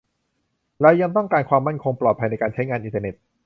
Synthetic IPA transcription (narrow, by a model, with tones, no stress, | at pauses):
ɾa˧jːa˧ŋt̪ɔ˥˩ŋkaː˧nkʰwaː˧mːa˥˩nkʰo˧ŋplɔː˨˩t̪̚pʰa˧jna˧jkaː˧nt͡ɕʰa˦˥jŋaː˧nʔi˧nt̪əː˧ne˨˩t̪̚